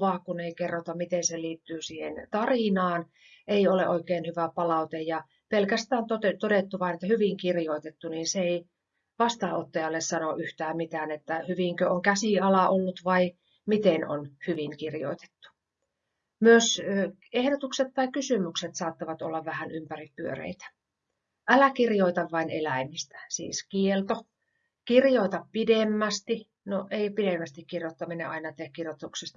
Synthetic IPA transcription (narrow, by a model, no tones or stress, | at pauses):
ʋɑːkuneikerːot̪ɑmit̪enseliːt̪ːyːsiːhent̪ɑrinɑːn | eiolḛʔoikeːnhyʋæpɑlɑut̪ejjɑ | pelkæst̪æːnt̪ot̪et̪odet̪ːuʋɑinet̪ːæhyʋiŋkirjoit̪et̪ːuniːnseei | ʋɑst̪ɑːot̪ːɑjɑlːessɑnoʔyht̪æːmmit̪æːnet̪ːæhyʋiŋkøoŋkæsiɑlɑʔolːut̪ʋɑi | mit̪eno̰nhyʋiŋkirjo̰it̪e̥t̪ːu̥ | myøsø | ehdot̪ukset̪tːɑikkysymykset̪sɑːt̪ːɑʋɑt̪o̰lːɑʋʋæhænympærippyø̰rḛit̪æ̥ | ʔælækirjoit̪ɑʋʋɑinelæimist̪æ̥sḭːskielt̪o | kirjoit̪ɑppidemːæst̪i | noʔeipidemːæst̪ikkirjot̪ːɑminḛʔɑinɑt̪eækkirjot̪ːuksest̪